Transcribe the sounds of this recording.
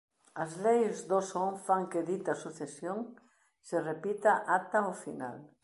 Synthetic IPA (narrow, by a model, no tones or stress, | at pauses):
ɐzlejzðosoŋfaŋkeðit̪ɐsuθesjoŋ | serepit̪aʔat̪aofina̰l